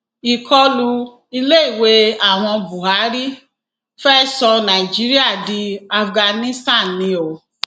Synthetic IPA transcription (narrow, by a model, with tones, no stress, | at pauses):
i˨kʰɔ˦lu˧ | i˧le˦i˦˨we˧˦a˦˨w̃ɔ̃˧bu˨ɦha˨˦ɾi˦ | fɛ˦sɔ˧nã˨i˨d͡ʒi˨˦ɾi˦a˦˨di˧a˧fɡa˧nĩ˦stã˦˨nːĩ˧˦o˨